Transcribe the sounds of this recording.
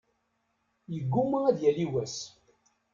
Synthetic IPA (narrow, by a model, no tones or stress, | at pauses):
jəɡːuməæðjæliwæs